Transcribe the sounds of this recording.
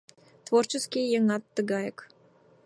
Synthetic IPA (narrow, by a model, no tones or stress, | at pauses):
t̪vort͡ɕəskʲijeŋɑt̪ːəɡɑjək